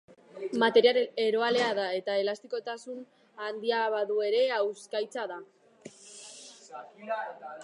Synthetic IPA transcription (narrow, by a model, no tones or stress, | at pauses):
mat̪e̞ɾiale̞ɾo̞ale̞aðae̞t̪ae̞last̪iko̞t̪asun | and̪iaβaðue̞ɾe̞awskajt͡saða